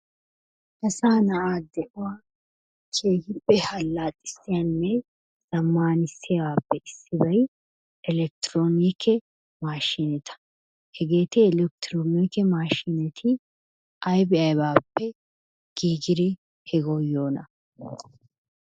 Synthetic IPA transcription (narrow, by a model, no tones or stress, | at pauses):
ʔɐsaːnɐʔaːd̪ɛʔʊwaː | t͡ʃeːɡɪpːɛhɐlːaːt̪ʼːɪ̥sːɪjɐnːɛ | sɐmːaːnɪsːɪbaːpːɛʔɪsːɪbɐj | ɛlɛk̚t̪ɪɾoːniːkʰːɛ | maːʃɪnɛt̪ʰɐ̥ | hɛɡeːt̪ɪːlɛkt̪ɪɾoːniːkɛmaːʃɪnɛt̪ʰɪ | ʔɐjbɪɐjbaːpːɛ | ɡ̥iːɡɪɾɪ | hɛɡojo̞ːnɐ